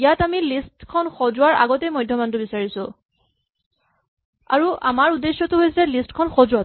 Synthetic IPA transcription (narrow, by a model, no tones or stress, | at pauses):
ijatamilistkʰɔnxɔzʊwaɹa̰ɡɔtɛjmɔjdʱjɔmantʊbisaɹisʊ̃ | a̰ɹuʔa̰maɹudesjɔtʊɦojsɛlistkʰɔnxɔzʊwa